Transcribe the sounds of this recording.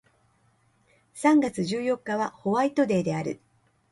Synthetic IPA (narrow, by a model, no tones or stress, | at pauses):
sãŋɡat͡sɨʑɨːjo̞kːaβaho̞βait̪o̞d̪e̞ːd̪e̞aɾɯ̟̰